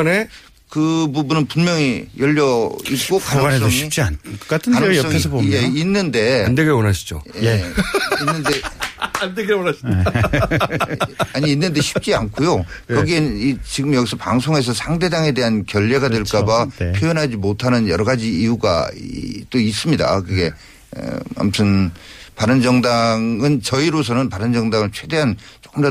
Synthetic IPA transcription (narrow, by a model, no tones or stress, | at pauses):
ne | kɯbubunɯnpunmjʌŋijʌʎːʌik̚kk͈okanɯs͈ʌŋɕip̚t͡ɕ͈iank͈atʰkanɯsʌes̬jeinːɯnde̞andeɡewʌnaɕʰi̥d͡ʑo̰jeinːɯndeandeɡewonaɕʰi | aɲiːnːɯnde̞ɕʰi̥pp̚t͡ɕ͈iankʰojokʌɡienit͡ɕiɡɯmjʌɡisʰʌpaŋsʰoŋe̞s̬ʰʌsʰaŋde̞daŋe̞de̞ɦankjʌʎːe̞ɡadweɭk͈abapʰjojʌnɦad͡ʑimotʰanɯnjʌɾʌɡad͡ʑiːuɡa̰ | t͈ois͈ɯmɲida̰kɯɡe̞ | ʌ̰a̰mtʰɯnpaɾɯnd͡ʑʌŋdaŋɯnt͡ɕʌiɾos̬ʰʌnɯnpaɾɯnd͡ʑʌŋdaŋɯɭt͡ɕʰwe̞de̞ɦan | t͡ɕok͈ɯmdʌ